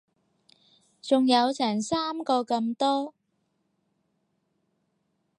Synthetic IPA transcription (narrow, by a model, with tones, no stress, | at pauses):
t͡sʊ˨ŋjɐ˨˧wt͡sʰɛː˨˩nsaː˥mkɔː˧kɐ˧mt̪ɔː˥